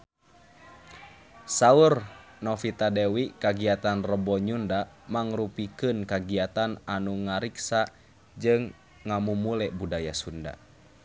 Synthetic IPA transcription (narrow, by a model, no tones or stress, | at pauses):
saur | nɔfit̪adɛwikaɡiat̪anrəbɔɲundamaŋɾupikɨnkaɡiat̪ananuŋaɾiksa | d͡ʒɨŋː | amumulɛbudajasunda̰